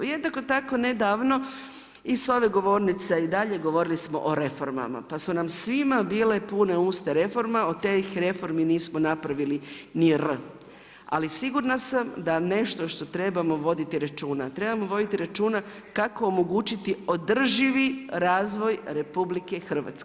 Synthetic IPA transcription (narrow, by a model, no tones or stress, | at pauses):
jed̪nakot̪ako̞ne̞d̪aːʋno̞ | iso̞ʋe̞ɡo̞ʋo̞ːɾnit̪seid̪aʎe̞ɡo̞ʋo̞ɾilismo̞̰ʔoɾe̞fo̞ɾma̰ma̰pasunamsʋimabiːle̞pune̞uːst̪eɾe̞fo̞ɾmaot̪exɾe̞fo̞ɾminiːsmonapɾaʋiliniɾ | a̰lisiɡuɾnasamd̪ane̞ʃt̪o̞ʃt̪o̞t̪ɾe̞bamo̞ʋo̞d̪it̪iɾat͡ʃuːna̰t̪ɾe̞bamo̞ʋo̞d̪it̪iɾat͡ʃuːna | kako̞ːmo̞ɡuːt͡ʃit̪io̞d̪r̩ʒiʋiɾaːzʋo̞jɾe̞publike̞xr̩ʋa̰t̪ske